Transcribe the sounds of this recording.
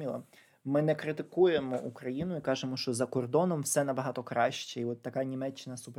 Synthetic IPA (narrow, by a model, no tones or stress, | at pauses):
ilˠɐ̰ | mɪnɛkɾɪt̪ɪkuje̞mɔʔukɾɐjinʊikɑʒemɔʃt͡ʃɔzɐkɔrd̪ɔnɔmwsɛnɐbɐɦɑt̪ɔkɾɑʃt͡ʃɛiɔt̪ːɐkɑnʲimɛt͡ʃːɪnɐsʊp